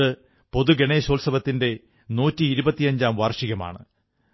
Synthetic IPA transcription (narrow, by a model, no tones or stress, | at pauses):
ɨ | po̞ðuɡeɳeːɕoːlsɐbɐt̪ːinde̞ | nuːtːiːɾubɐt̪ːijɐɲd͡ʑaːmʋaːrʂiɣɐma̰ːɳɨ̰